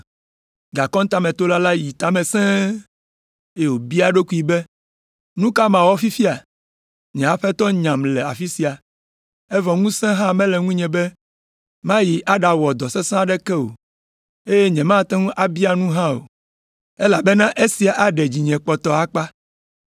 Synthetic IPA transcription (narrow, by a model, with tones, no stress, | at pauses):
ɡa˨kɔ̃˦ŋ˦t̪a˦mɛ̃˨t̪o˦la˦la˦ji˨t̪a˦mɛ̃˨sɛ̃˦ | e˦˨wo˨bi˦a˨ɖo˦ku˦i˨bɛ˦ | nũ˦ka˦mã˨wɔ˦fi˦fi˦a˨ | ɲɛ̃˨a˨ɸɛ˦t̪ɔ˦ɲã˨mlɛ˨a̰˨fi˦si˨a˨ | ɛ˦vɔ˨ŋũ˦sɛ̃˦ɦã˦mɛ̃˦lɛ˨ŋũ˦ɲɛ̃˨bɛ˦ | mã˦ji˨ʔa˦ɖa˨wɔ˨d̪ɔ˨sɛ˦sã˦a˦˨ɖɛ˦kɛ˦o̰˨ | e˦jɛ˦ɲɛ̃˨mã˦˨t̪ɛ̃˦ŋũ˦ʔa˨bi˦a˨nũ˦ɦã˦o̰˨ | e˦la˨bɛ˦nã˦ʔe˦si˨a˨ʔa˦ɖɛ˨d͡ʑi˨ɲɛ̃˨k͡pɔ˨t̪ɔ˨a˨k͡pa˦